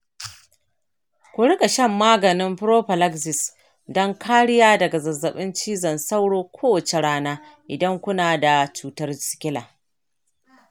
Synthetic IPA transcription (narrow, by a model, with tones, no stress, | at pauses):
kʷʊ˨ɽɪ˦kʼa˨ʃɐ˦mːaː˦ɡɐ˨nɪ˦mɸɾoː˦ɸɐ˨la˦ksɪ˨s | dɐ˦ŋkʰaː˦ɽɪ˦jaː˦dɐ˨ɡa˨zɐ˨zːɐ˨ɓɪ˦nt͡ʃiː˦zɐ˨nsa˦wɽoː˦kʷʰoː˦wɐ˨t͡ʃe˨ɽaː˦naː˦ʔɪ˨dɐ˦ŋkʷʊ˦naː˨da˨t͡ʃuː˦tɐ˦rsɪ̥˨kʲɪ˦laː˨